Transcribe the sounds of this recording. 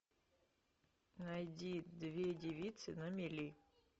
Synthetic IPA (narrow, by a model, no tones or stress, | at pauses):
najdʲid̪vʲedʲɪvʲit̪sɨ̰nəmʲɪlʲi